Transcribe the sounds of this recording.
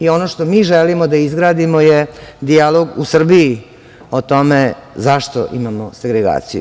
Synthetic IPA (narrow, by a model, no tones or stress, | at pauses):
io̞noʃt̪omiːʒɛlimod̪aizɡɾaːd̪imojed̪ialoɡusr̩bii | ot̪o̞mezaʃt̪o̰ʔḭmamoseɡɾeɡa̰ːt̪sḭju